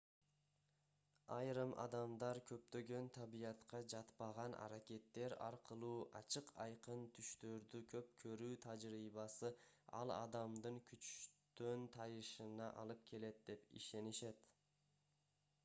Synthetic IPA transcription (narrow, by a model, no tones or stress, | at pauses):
ɑjɾɯmʔɑ̰d̪ɑmd̪ɑɾkʰøp̚t̪ø̞ɡø̞nt̪ʰɑβijɑt̪qɑd͡ʒɑt̪pɑʁɑnʔɑ̰ɾakʲe̞t̪ːe̞ɾɑ̰ɾqɯlˠuːʔɑ̰t͡ʃɯqʰɑjqɯnt̪ʰyʃt̪ø̞ɾd̪ykʰø̞p̚kʰø̞ɾyːt̪ʰɑd͡ʒɾiːβɑsɯɑ̰lˠɑ̰d̪ɑmd̪ɯŋkʰyt͡ʃt̪ønt̪ʰɑjɯʃɯnɑʔɑ̰lˠɯp̚kʲʰe̞le̞t̪̚d̪e̞pḭʃe̞niʃe̞t̪